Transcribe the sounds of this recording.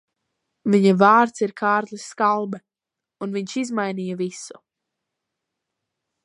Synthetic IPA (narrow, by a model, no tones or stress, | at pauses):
viɲavaːɾt̪siɾkʰaːɾt̪lisːkalˠbɛ | unviɲʃizmajnijavisu̥